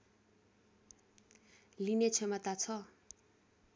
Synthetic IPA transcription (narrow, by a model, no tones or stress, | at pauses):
linet͡sʰemat̪at͡sʰʌ